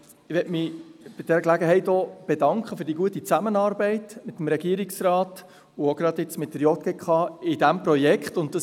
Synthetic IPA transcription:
ɪʋɛtmɪb̥ɪd̥ɛɾəklæɡəɦɛɪtɔb̥edɑŋkχəfʏːɾd̥iɡuətːit͡sæmənɑːɾbɛɪtmɪt̪ːəmɾɛɡiəɾɪksɾɑːt | ʊoɡ̥ɾɑd̪ɪt͡smɪt̚dəɾjɔt̪̚ɡ̥ekχɑɪd̥æmpɾɔjɛkχtʊnt̚d̥ɑs

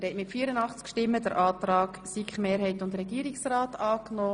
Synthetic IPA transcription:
ɾhɛtmɪtfiːɾənɑχt͡skʃtɪmːədəɾʔɑːt̪ɾɑːksikχmeːɾhɛɪtʊndɾɛɡiːɾiksrɑːtɑːknoː

